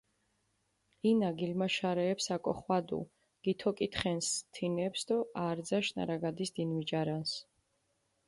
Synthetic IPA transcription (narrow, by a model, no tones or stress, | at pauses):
inaɡilmaʃaɾɛːpsakʼɔχwad̪ṵ | ɡ̥it̪ʰɔkʼit̪ʰχɛnst̪ʰinɛpsd̪ɔaɾd̪zaʃna̰ɾaɡad̪isd̪inwid͡ʒaɾans